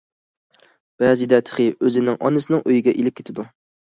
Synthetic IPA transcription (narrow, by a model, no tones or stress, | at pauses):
b̥ɛzid̪ɛt̪ʰə̥χɨøzɪnɪŋʔɒ̰nɨsɪnɪŋʔøjiɡʲɛʔilɪp̚kʲʰe̥t̪ʰɪd̪u